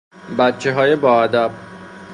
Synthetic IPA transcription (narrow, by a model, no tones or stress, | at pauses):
bæt̪t͡ʃʰːe̞ɦɒːjebɒːæd̪æb̚